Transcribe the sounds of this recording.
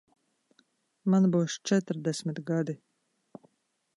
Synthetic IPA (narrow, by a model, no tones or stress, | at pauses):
manbuːst͡ʃɛt̪ɾd̪ɛsʲmʲit̪ɡad̪i